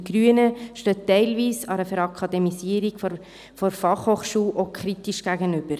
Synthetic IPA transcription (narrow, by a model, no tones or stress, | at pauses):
ɡ̥ɾyənəʃtøːtɛɪlviːsɑɾəfɛɾɑkʰɑdɛmisiəɾiɡ̥ | fɔɾfɑχhoːχʃuːlʔokʰɾitiʃɡ̥æɡənʏb̥əɾ